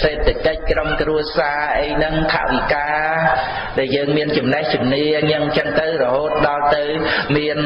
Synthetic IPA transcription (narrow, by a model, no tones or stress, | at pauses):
seːt̪ʰːakəc̚kromkruəsaːʔəjnɨŋt̪ʰa̰ʔʋikaː | ɗaɛljəːŋmiənt͡ɕumnəht͡ɕumniəŋnɨŋt͡ɕəŋt̪ɨwrɔɦoːt̪̚ɗɑlt̪ɨwmiən